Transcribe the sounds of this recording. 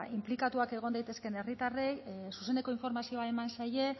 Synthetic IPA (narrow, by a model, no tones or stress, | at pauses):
implikat̪uake̞ɣ̞o̞nd̪ajt̪e̞ske̞ne̞rit̪arejsuse̞ne̞ko̞iɱfo̞ɾmasio̞ae̞mansaje̞